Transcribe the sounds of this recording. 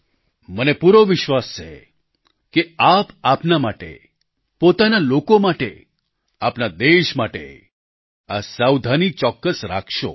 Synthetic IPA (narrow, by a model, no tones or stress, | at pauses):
mənepuɾoʋɪʃʋast͡ʃʰḛ | keapapnamaʈḛ | pot̪analokomaʈe | apnad̪eʃmaʈḛ | asawd̪ʱanit͡ʃɔkːəsɾa̰kʰʃo̰